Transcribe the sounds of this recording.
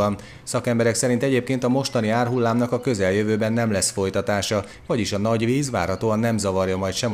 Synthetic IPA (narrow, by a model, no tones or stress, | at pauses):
ɒn | sɒkɛmbɛɾɛksɛɾint̪ɛɟeːp̚keːnt̪ɒmo̞ʃt̪ɒniaːrɦulːaːmnɒkɒkø̞zɛljøvøːbɛnːɛmlɛsfo̞jt̪ɒt̪aːʃɒ | vɒɟiʃɒnɒɟʋiːzʋa̰ːrhɒt̪oːɒnːɛmzɒvɒrjɒmɒjt̪ʃɛm